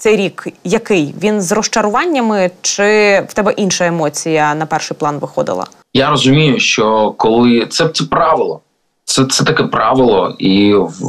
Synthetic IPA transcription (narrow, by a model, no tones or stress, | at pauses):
t̪sɛjɾʲikjɐkɪjʋʲinzrɔʃt͡ʃɐɾʊʋɑnʲːɐmɪt͡ʃɪwt̪ɛbɛʔinʃɐemɔt͡sʲijɐnɐpɛrʃɪjplˠɑnʋɪxɔ̰d̪ɪ̰lˠɐ̰ | jaɾɔzʊmʲijʊʃt͡ʃɔkɔlˠɪt̪sɛt̪ɛpɾɑʋɪlˠɔ | t̪sɛt̪sɛt̪ɐkɛpɾɑʋɪlˠɔ̰iw